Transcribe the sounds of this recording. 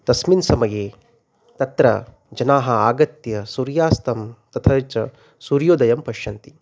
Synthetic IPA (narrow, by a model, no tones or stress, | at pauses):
t̪ɐsminsɐmɐjeː | t̪ɐt̪ɾɐ̰ | d͡ʒɐnaːɦɐaːɡɐt̪jɐsuɾjaːst̪ʰɐmt̪ɐt̪ʰɐt͡ʃɐ | suɾjoːd̪ɐjɐmpɐʃjɐnt̪i̥